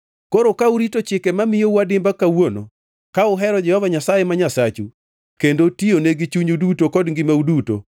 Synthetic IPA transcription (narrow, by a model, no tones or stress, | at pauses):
koɾokauɾitot͡ʃɪkɛmamɪjowadɪmbakawono̰ | kaʊɦɛɾɔd͡ʒɛhɔvaɲasajemaɲasat͡ʃu | kendotioneɡit͡ʃuɲudutokɔdŋɡɪmauduto̰